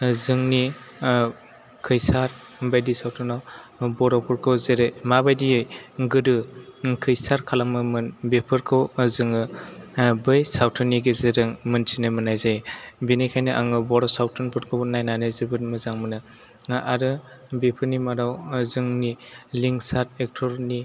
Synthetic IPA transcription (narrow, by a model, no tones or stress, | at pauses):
zɯŋni | kʰɯjsaɾ | bajdisawtʰɯnawbɔɾɔpʰɯɾkʰɯwzeɾemabajdiɯjɡɯɾɯkʰɯjsaɾkʰalamɯmɯnbepʰɯɾkʰɯwzɯŋɯ | bɯjsawtʰɯniɡezeɾɯŋmɯntʰinɯmɯnajzajbenikʰajnɯʔaŋɯbɔɾɔwsawtʰɯnpʰɯɾkʰɯbnajnanɯjzɯbɯt̚mɯzaŋmɯnɯ | aɾɯ | bepʰɯɾnimaɾawzɯŋniliŋsat̚ek̚tʰɔɾni